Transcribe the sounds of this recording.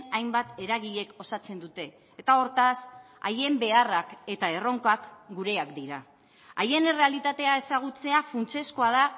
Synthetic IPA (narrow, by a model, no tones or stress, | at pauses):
ajmbat̪e̞ɾaɣ̞iʎe̞ko̞sat͡se̞nd̪ut̪e̞ː | t̪ao̞ɾt̪as | a̰je̞mbe̞arake̞t̪ae̞ro̞ŋkakɡuɾe̞akd̪iɾa | aje̞ne̞re̞alit̪at̪e̞ae̞saɣ̞ut͡se̞afunt͡se̞skoaða